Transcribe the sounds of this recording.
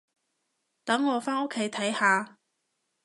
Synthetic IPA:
t̪ɐ˨˥ŋːɔː˨˧faː˥no˥kʰːe˨˥jt̪ʰɐ˨˥jhaː˨˧

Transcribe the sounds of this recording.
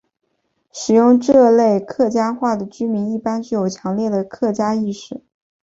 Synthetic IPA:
ʂɻ̩˨˩jʊ˥˧ŋʈ͡ʂɤ˥˧le˥˧ɪkʰɤ˥˩t͡ɕja˥xwa˥˩d̪ə˩t͡ɕy˥mi˧˥ni˥˩pa˥nt͡ɕy˥˩jo˨˩ʊt͡ɕʰjɑ˧˥ŋljɛ˥˩d̪ə˩kʰɤ˥˩t͡ɕja˥i˥˧ʂɻ̩˥˩˦

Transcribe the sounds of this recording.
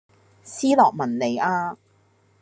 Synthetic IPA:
siː˥lɔː˨k̚mɐ˨˩nle˨˧jaː˧

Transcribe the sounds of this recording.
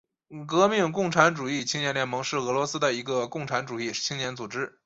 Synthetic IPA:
kɤ˧˥mi˥˩˧ŋk̬ʊ˥˩ŋʈ͡ʂʰa˧˥nʈ͡ʂu˨˩i˥˩t͡ɕʰi˥ŋnjɛ˧˥nljɛ˧˥nmɤ˧˥ŋʂɻ̩˥˩ɤ˧˥lwɔ˧˥sɹ̩˥d̪ə˨i˧˥ɡə˧kʊ˥˩ŋʈ͡ʂʰa˧˥nʈ͡ʂu˨˩i˥˩t͡ɕʰi˥ŋnjɛ˧˥nt͡su˨˩ʈ͡ʂɻ̩˥

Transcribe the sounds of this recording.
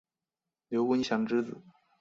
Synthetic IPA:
ljo˧˥ʊkə˥n˧˩ɕjɑ˧˥˩ŋʈ͡ʂɻ̩˥d͡zɹ̩˨˩˦

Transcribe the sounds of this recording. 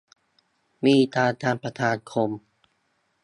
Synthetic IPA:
miː˧˩t̪aː˧t̪ʰaː˧npa˧t̪ʰaː˧nkʰo˧m

